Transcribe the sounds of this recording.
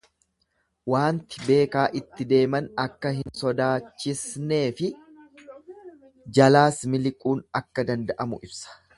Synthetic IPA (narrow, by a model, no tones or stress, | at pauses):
waːnt̪ɪ̥be̞ːkaːʔɪt̪ːɪd̪e̞ːmɐnɐkːɐɦɪnsɔd̪aːt͡ʃːɪsne̞ːfɪ | d͡ʒɐlaːsmɪlɪkʼuːnɐkːɐd̪ɐnd̪ɐʔɐmʊ̰ʔɪbsɐ̥